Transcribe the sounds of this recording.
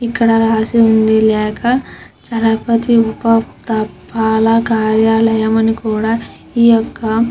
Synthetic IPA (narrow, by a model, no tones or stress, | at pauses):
ikːɐɽɐɾaːsiund̪ilɛːkʰɐ | t͡ʃɐlɐpɐt̪iupɐt̪ɐpːaːlɐkaːɾjaːlɐjɐmɐnikuːɽaː | iːjɔkːɐ